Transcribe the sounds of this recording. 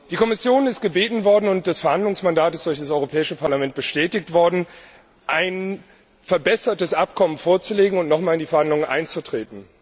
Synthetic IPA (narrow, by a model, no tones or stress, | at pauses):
d̥iːkʰɔmɪsjoːnɪstɡ̥əbeːtn̩vɔɐdn̩ʊnt̚d̥asfɛɐhandlʊŋsmandaːtɪstd̥ʊɐçd̥as̬ʔɔʏʁopʰɛːɪʃəpʰaɐlamɛnt̚b̥əʃtɛːtɪktv̥ɔɐdn̩ | ʔaɪn | fɛɐbɛsɐtəsʔap̚kʰɔmənfoːɐt͡suleːɡŋ̩ʊntnɔχmaːlɪndiːfɛɐhandlʊŋənʔa̰ɪnt͡sutʁ̥eːtn̩